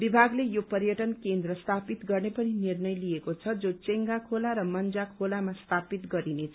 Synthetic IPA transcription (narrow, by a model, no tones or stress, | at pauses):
bibʱaɡlejopʌɾjʌʈʌnkend̪rʌst̪ʰapit̪ɡʌrnepʌninirnʌjlijekot͡sʰʌd͡zot͡seŋɡakʰolaɾʌmʌnd͡zakʰolamast̪ʰapit̪ɡʌɾinet͡sʰ